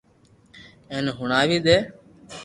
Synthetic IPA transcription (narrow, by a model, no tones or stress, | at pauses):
eːnɦʊɳaːʋiːd̪eː